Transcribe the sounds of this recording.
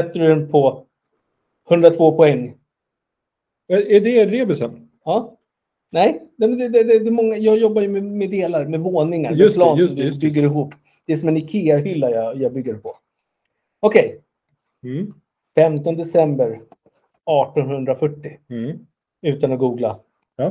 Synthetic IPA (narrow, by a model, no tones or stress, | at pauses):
sɛt̪ːəɖɵdɛnpʰɔ | hɵnd̪ɾat̪ʰvoːpʰɔɛŋː | æɖɛɾeːbɛlsɛn | ɑː | nɛjnɛmɛnd̪ɛd̪ɛd̪ɛd̪ɛmɔŋːajɑːɡjɔbːajɵmɛmɛd̪eːlaɾmɛvoːnɪŋaɾsplɑːnsɔmd̪ɵbʏɡːəɾɪɦuːpː | d̪̥ɛæʂɔmɛnɪkʰeːaɾhʏlːajɑjɑːbʏɡːəɾpʰɔ | ɔkʰɛj | fɛmt̪ɔnəd̪ɛsɛmbəɾ | ɑːʈɔnhɵnd̪ɾafœʈːɪ | ʉ̟ːt̪anɔɡuːɡla